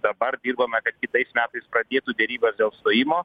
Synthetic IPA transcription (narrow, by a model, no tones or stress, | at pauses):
d̪ɐbɐrd̪ʲiːrbɐmʲɛkɐt̪kʲɪt̪ɐɪsmʲæːt̪ɐɪspɾɐd̪ʲeːt̪ud̪ʲɛɾʲiːbɐsd̪ʲeːlˠst̪oːjɪmoː